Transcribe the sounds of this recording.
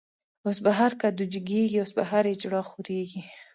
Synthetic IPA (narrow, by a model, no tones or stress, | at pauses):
osbaɦaɾkad̪ud͡ʒɪɡeɡiosbaɦaɾed͡ʒɽɑxoɾeɡi